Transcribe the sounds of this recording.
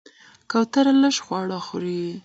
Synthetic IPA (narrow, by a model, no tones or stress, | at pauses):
kawt̪aɾaləʃxwɑɽaxuɾi